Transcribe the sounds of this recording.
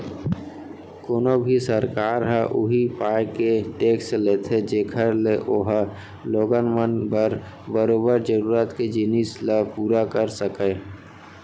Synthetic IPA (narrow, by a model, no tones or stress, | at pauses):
koːnobʱisəɾkaːɾɦɛʔʊɦipaːjkeʈeːksleːt̪ʰed͡ʒeːkʰəɾleʔoɦ | loːɡənmənbəɾ | bəɾoːbəɾd͡ʒəɾuːɾət̪ked͡ʒinislapuːɾakəɾsəkeː